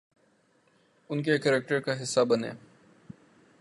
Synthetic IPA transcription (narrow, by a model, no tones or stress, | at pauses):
ʊnkekɛɾɛk̚ʈəɾkaɦɪsːabɐnḛː